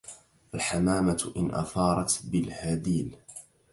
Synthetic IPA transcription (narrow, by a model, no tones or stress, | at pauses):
ʔalħamaːmat̪ʔɪnʔa̰θɑːɾˤɑt̪bɪlhad̪iːl